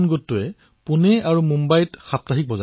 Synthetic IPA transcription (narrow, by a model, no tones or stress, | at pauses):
nɡotːʊɛ | pʊnɛaɹumumbajtxap̚taɦik̚bɔza